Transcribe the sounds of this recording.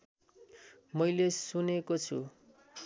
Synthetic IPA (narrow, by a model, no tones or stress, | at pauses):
mʌjlesunekot͡sʰṵ